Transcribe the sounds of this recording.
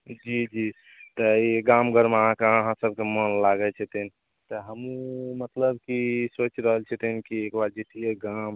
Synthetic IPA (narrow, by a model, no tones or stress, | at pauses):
d͡ʒid͡ʒi | t̪əiɡamɡʱəɾməɦãkeəɦãsəb̚ʱkemənlaɡɛt͡ʃʰɛt̪ini | t̪ɔɦəmũmət̪ləbkisot͡ʃɾəɦəlt͡ʃʰɛt̪inkiekbaɾd͡ʒet̪ieɡam